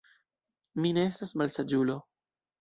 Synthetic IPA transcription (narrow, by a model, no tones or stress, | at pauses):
mine̞estasmalsad͡ʒulo̞